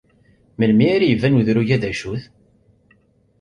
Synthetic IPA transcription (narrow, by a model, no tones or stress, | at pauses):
məlmiaɾajəvænuðɾuʝæðæʃuθ